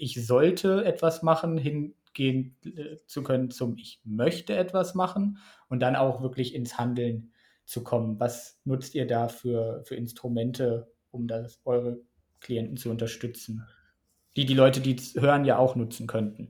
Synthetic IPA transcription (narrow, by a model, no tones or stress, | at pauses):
ʔɪçzɔltʰəɛtv̥asmaχn̩ɦɪn | ɡ̥eːənt͡sukʰœnənt͡sʊmɪçmœçtəɛtv̥asmaχn̩ | ʔʊnt̚d̥ana̰ʊxv̥ɪɐklɪçɪnshandl̩n | t͡sukʰɔmənvasnʊt͡stiːɐdaːfyːɐfyːɐɪnstʁ̥umɛntʰə | ʔʊmdasʔɔʏʁ̞ə | kʰl̥iɛntn̩t͡suʊntɐʃtʏt͡sn̩ | d̥iːdiːlɔʏtədiːshøːʁənjaːʔaʊxnʊt͡sn̩kʰœntn̩